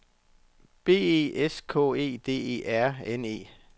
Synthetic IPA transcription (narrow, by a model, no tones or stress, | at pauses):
b̥e̝̰ːe̝̰ːeskʰɔ̰e̝̰ːd̥e̝̰ːe̝̰ːæɐ̰ene̝̰ː